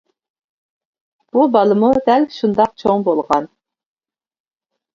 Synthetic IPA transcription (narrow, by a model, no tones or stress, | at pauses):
b̥ubɑlˠɨmud̪ɛlʃund̪ɑq̚t͡ʃʰoŋbolˠʁɑn